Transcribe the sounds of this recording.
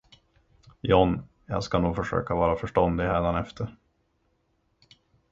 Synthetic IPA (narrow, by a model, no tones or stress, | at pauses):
jɔn | jɑ̰ːɡskanuːɡfœʂø̰ːkavɑːɾafœʂʈɔnd̪ɪhæːd̪anɛft̪ʰəɾ